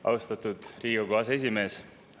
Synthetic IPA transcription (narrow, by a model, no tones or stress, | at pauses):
ʔɑ̰wst̪ɑt̪ud̪̥riːɡuɡoɑse̞sʲime̞ːs